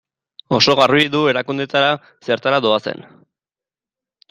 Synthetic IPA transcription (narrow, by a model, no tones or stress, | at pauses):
o̞so̞ɣaruiðue̞ɾakund̪et̪aɾa | seɾt̪aɾado̞ase̞̰n